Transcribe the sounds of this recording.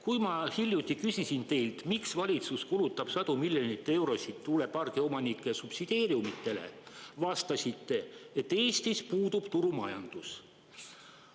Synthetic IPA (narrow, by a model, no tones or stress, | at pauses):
kujmɑhilʲjut̪ʲːˑikysʲisint̪e̞jlt̪miksvɑlʲit̪suskulut̪ːˑɑb̥sɑd̪umilʲjo̞nit̪ːe̞wɾo̞sit̪t̪ːule̞pɑrɡ̥eo̞mɑnikːˑesupsid̪̥e̞ːɾjumit̪ːˑe̞le̞̰vɑst̪ɑsʲit̪ːe̞et̪ːe̞ːsʲt̪ispuːd̪ub̥t̪uɾumɑjɑnd̪̥us